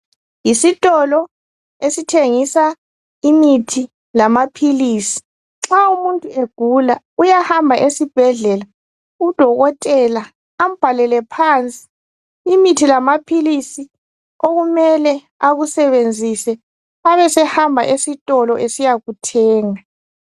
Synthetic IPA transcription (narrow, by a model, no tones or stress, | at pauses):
jisitʼɔlɔ | esitʰeŋisa | imitʰi | lamapʰiliːsi̥ | ŋ͡ǁaumuntʼueɡ̥ʱula | ujahambʱaʔesib̥ʱɛɮɛla | ud̥ʱɔɣɔtʼɛla | am̩b̥ʱalɛlɛpʰant͡sʼi̥ː | mitʰilamapʰilisi | oɣumɛlɛ | aɣusɛβend͡zʱisɛ | aβɛsɛhambʱaʔesitʼɔlɔʔesijaɣutʰɛːŋa